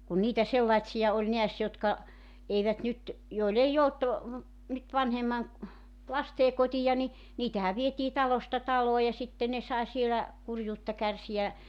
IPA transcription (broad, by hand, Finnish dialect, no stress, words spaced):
kun niːtæ selːɑĭtsiɑ olʲ neæs jotkɑ eiʋæt nyt joil ei olt nyt ʋɑnhemːɑn̞ lɑsteː kotijɑ ni niːtæhæʋ ʋietiː tɑlostɑ tɑloː jɑ sitːe ne sɑe sielæ kurjuːtːɑ kærsiæ